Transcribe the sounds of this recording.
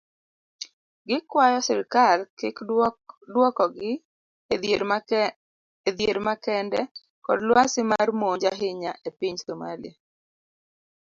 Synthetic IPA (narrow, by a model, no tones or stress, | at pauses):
ɡɪkwajɔsɪɾɪkalkɪkdwɔkɔɡɪ | ɾ | ed̪jeɾmakɛndɛ | kɔ̰dlwasɪmarmoɲd͡ʒaɦɪɲaʔepiɲsoma̰lḭa